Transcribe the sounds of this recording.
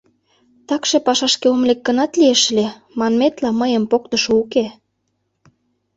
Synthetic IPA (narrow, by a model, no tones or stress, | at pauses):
t̪ɑkʃepɑʃɑʃkeomlek̚ːənɑt̪lieʃ̆le | mɑnmet̪lɑməjə̆mpokt̪ə̆ʃouke